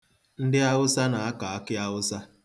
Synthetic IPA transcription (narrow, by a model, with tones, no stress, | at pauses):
n̩˦dɪ˦a˦ɣʊ˦sa˦na˨a˦ka˨a˦kɪ˦a˦ɣʊ˦sa˦